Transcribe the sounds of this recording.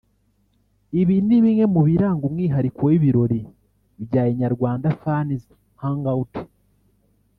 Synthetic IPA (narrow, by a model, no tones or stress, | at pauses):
iβiniβiŋe̞muβiɾaːŋɡumŋiːɦaɾikowiβiɾo̞ɾi | βɟaːjeɲaɾɡwaːndafaniz | haŋɡauti̥